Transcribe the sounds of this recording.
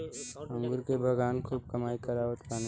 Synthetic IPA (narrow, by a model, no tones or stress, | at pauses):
ə̃ŋɡʊɾkebʱɐɡaːnkʰuːb̚kəmaːikɐɾaːʋət̪paːn